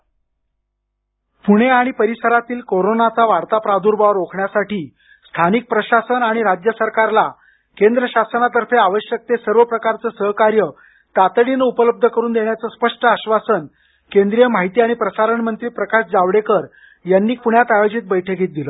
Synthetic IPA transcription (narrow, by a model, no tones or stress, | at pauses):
puɽ̃eaɽ̃ipəɾisəɾat̪iːlkoɾonat͡saʋaɽt̪apɾad̪ʱuːɾbaʋɾokʰɳjasaʈiː | st̪ʰanik̚pɾəɕasənaɽ̃iɾad͡ʑjəsəɾkaɾla | kend̪ɾəɕasənat̪əɾfeaʋəɕjək̚t̪esəɾʋəpɾəkaɾt͡səːsəɦkaɾjə | t̪at̪ɽinəupələb̚d̪ʱəkəɾuːnd̪eɳjat͡səːspəʂʈəaɕʋasən | kend̪ɾijəm̤aɦit̪iːaɽ̃ipɾəsaɾəɳmənt̪ɾiːpɾəkaɕd͡zaʋɽekəɾ | janːiːkuɳjat̪ajod͡ʑiːt̪̚bəjʈʰeɡʱiːt̪̚d̪iləː